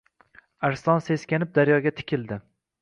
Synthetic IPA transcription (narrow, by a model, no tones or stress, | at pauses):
aɾst̪ɒnse̞skʲanɪp̚d̪aɾjɒɡʲat̪ʰɪ̥kʲʰɪld̪ɪ